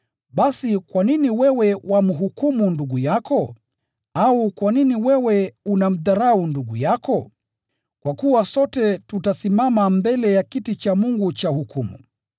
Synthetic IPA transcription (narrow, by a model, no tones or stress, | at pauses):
ɓasikwaniniwɛwɛwamuɦukumunduɡujakɔ | aukwaniniwɛwɛunam̩ðaɾaunduɡṵjakɔ | kwakuwasɔtɛtutasimamambɛlɛjakitit͡ʃamuŋɡut͡ʃahukumṵ